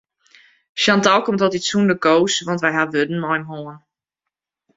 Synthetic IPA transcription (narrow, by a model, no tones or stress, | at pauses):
ʃjantɔlˠkɔmtɔtisundəkowsʋɑntʋɛjɦaʋødən̩mɔjmɦoːən